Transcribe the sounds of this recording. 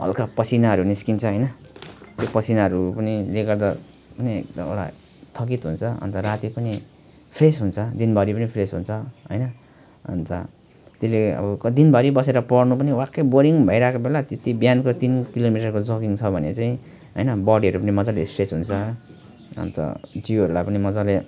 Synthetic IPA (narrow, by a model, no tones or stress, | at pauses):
bʱʌ̰lkapʌt͡sʰinaɦʌɾuniskint͡sʰʌɦʌjnʌt̪jopʌt͡sʰinaɦʌɾupʌnileɡʌrd̪a | pʌniḛk̚d̪ʌ̰oɽa̰ | t̪ʰʌk̬it̪ɦunt͡sʰʌʌ̰nt̪ʌrat̪ipʌni | pʰresɦunt͡sʰʌd̪inbʱʌɽipʌnipʰresɦunt͡sʰʌɦʌ̰jnʌ | ʌ̰nt̪ʌ̰ | t̪eleʌ̰bʌkd̪inbʱʌɾibʌseɾʌpʌɽnupʌniwakːeboɾiŋbʱʌijɾakobelat̪et̪ibjankot̪inkilomiʈʌrkod͡zokiŋt͡sʰʌbʱʌnḛt͡saĩ | ɦʌjnʌbʌɽiʌɾupʌnimʌd͡zalesʈret͡sɦunt͡sʰʌ | ʌ̰nt̪ʌ̰d͡ziɦʌɾulajpʌnimʌd͡zale